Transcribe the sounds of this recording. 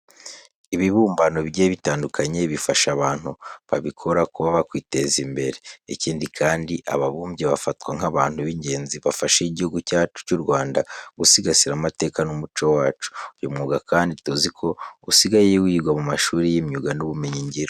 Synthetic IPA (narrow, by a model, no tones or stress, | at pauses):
iβiβuːmbano̞βɟeːβitaːndukʰaɲe̞βifaʃaβaːn̥huβaβikʰo̞ɾakoβaβakwiːte̞zimbe̞ɾe̞ːciːndikʰaːndiʔa̰βaβuːmbɟeβafatkwaŋaβaːnhuβiɲɟe̞ːnziβafaʃiɟihuɡucaːt͡ʃu̥cuɾɡwaːndaɡusiɡasiɾamate̞ːkanumut͡ʃo̞waːt͡ʃu̥jomŋuːɡakaːnditozikʰo̞usiɡajejewiːɡwamumaʃuːɾijimɲuɡanuβumeɲiɲɟiɾo